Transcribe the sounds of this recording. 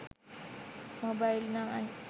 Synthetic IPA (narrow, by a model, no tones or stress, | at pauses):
mobajlnaa